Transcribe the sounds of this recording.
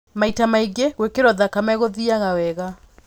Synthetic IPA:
maitamaiɡeɣwekeɾɔðakamɛɣoðiaɣawɛɣa

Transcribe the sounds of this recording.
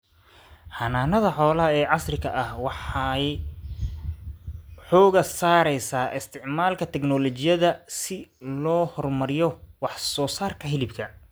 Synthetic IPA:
hɐnaːnɐðɐħɔːlɐɦɐɛːʕɑsrɪɣɐʔɐhwɑħɑj | ħɔːɣɐsaːɾɛjsaːʔɪst̪ʰɪʕmaːlkʰɐt̪ʰɛknɔlɔt͡ʃɪjɐðɐsɪlɔːhɔrmɐɾɪjɔwɑħsɔːsaːrkʰɐɦɪlɪbkʰɐ

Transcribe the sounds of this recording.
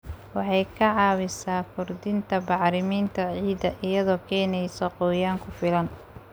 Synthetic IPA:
wɑħɑjkʰɐʕɑːβɪsaːkʰʊrd̪ɪnt̪ʰɐbɑʕɾɪmiːnt̪ʰɐʕiːd̪ɐʔɪjɐðɔːkʰɛːnɛjsɔqɔːjaːŋkʰʊfɪlɐn

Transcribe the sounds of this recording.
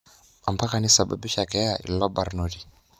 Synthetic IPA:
ampakanisaɓa̰ɓiʃakɛaʔḭlɔbaɾnɔdi

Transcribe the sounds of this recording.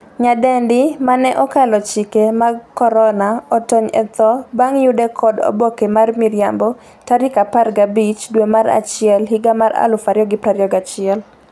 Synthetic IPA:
ɲadɛndɪmanɛʔɔkalɔt͡ʃikemaɡkɔɾɔnaɔtɔɲɛ̰t̪ɔbaŋjʊdɛkʰɔdɔ̰bɔkemarmiɾja̰mbɔ | taɾɪkaparɡabit͡ʃdwemaɾa̰t͡ʃɪɛlɦiɡamaɾa̰lʊfaɾjɔɡɪpɾaɾjɔɡat͡ʃɪɛl

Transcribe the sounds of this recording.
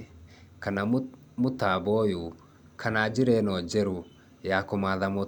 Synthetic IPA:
kana | mutabɔju | kʰanad͡ʒiɾɛnɔd͡ʒɛɾu | jakɔmaðamɔ

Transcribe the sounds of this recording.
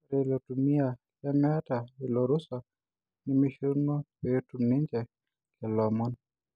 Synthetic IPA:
ɾɛlɔtumiakamatailɔɾusa | nimiʃunɔpetuniɲd͡ʒɛ | kɛlɔmɔn

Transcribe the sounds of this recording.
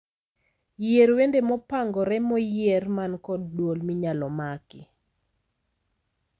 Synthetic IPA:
jeɾwendemɔpaŋɡɔɾɛmɔjermankɔddwolmiɲalɔmakɪ

